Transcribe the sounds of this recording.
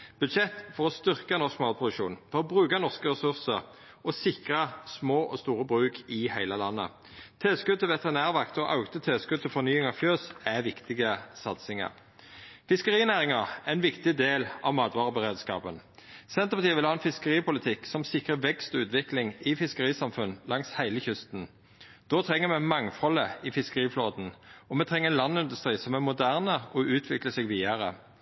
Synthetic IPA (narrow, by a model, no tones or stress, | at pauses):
b̥ʉd̪ʃɛt̪ːfɔʁɔst̪ʏʁkɑnɔskmɑːl̚pʰʁʊd̪ʉʃṵːnfɔʁɔbʁʉːkɑnɔʁskəʁɛsʉʁsəʁ | ɔsɪkʁɑsmoːʔɔst̪uːʁəbʁʉːkʰɪhæɪləlɑnːə̰ | t̪ʰɪlskʉd̪̚t̪ʰɪlʋɛt̪əʁɪnæːʁʋɑkt̪ɔʔɑʊt̪ət̪ʰɪlskʉd̪̚t̪ʰːɪlfɔʁnyːɪŋɑʋfjøːsæʋɪkt̪ɪɡəsɑt̪sɪŋɑ̰ʁ | fɪskəʁiːnæːʁɪŋɑæɪnʋɪkt̪ɪd̪eːlɑʋmɑːd̪ʋɑːʁəbəʁeːd̪skɑ̰ːpənsɛnt̪əpɑt̪iːəʋɪlhɑːɛnfɪskəʁiːpʰʊlɪt̪ʰɪksɔmsɪkʁəʋɛkst̪ɔʉːt̪ʋɪklɪŋɪfɪskəʁiːsɑmfʉnlɑŋshæɪləçʏst̪n̩ | d̪̥oːt̪ʰʁɛŋːəmɛmɑŋfɔləɪfɪskəʁiːfloːd̪n̩ɔmɛːt̪ʰʁɛŋːəɛnlɑnːɪnd̪ʉst̪ʁiːsɔmæmʊd̪æʁnəɔʉːt̪ʰʋɪkləsɛɡʋiːəʁə̰